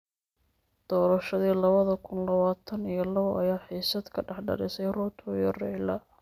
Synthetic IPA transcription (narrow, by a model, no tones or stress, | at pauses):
d̪̥ɔːɾɐʃɐðiːlɐβɐðɐkʰʊnlɐβaːt̪ʰɐnijɞlɐβɐʔɐjaːħiːsɐd̪kʰɐɖɐħɖɐ̰lɪsɛjrɔt̪ʰɔjɔrɛlɐ